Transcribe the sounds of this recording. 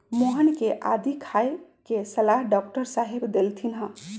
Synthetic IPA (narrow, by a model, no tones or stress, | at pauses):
moɦənkeʔad̪ʱikʰajkesəlaɦɖɔk̚ʈəɾsaɦebd̪elt̪ʰinɦə̃